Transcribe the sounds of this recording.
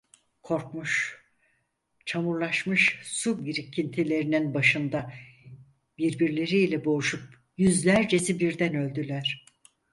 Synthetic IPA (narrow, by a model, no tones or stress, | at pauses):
kʰo̞ɾkmuʃ | t͡ʃʰamuɾlˠaʃmɯʃsubiɾicʰːint̪ʰilʲe̞ɾininbaʃɯnd̪a | b̥iɾbiɾlʲe̞ɾiːlʲɛbo̞uʃup̚ | jyzlʲæɾd͡ʒe̞sibiɾd̪ænø̞lʲd̪ylʲæɾ̝̥